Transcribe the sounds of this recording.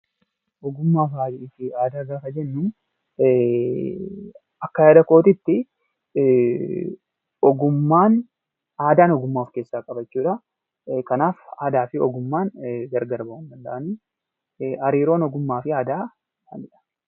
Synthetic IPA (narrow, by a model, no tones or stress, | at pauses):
ʔɔɡʊmːaːfaːd͡ʒɪɪfɪaːd̪aːɡaːkɐd͡ʒɛnːuː | ɐkːɐjaːd̪ɐko̞ːt̪ɪt̪ːɪ | ɔɡʊmːaːn | aːd̪aːnɔɡʊmːaːfkeːsːaːkʼɐbɐt͡ʃːuːᶑɐ | kɐnaːfa̰ːd̪aːfɪɔ̰ɡʊmːaːnɡɐɾɡɐɾbɐwɐnd̪ɐnd̪ɐʔɐniː | ɐɾiːɾo̞ːnɔɡʊmːaːfɪaːd̪aː | ɐ̰nɪᶑɐ̥